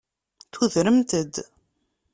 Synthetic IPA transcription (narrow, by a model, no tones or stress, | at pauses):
θuðɾəmt̪əd̪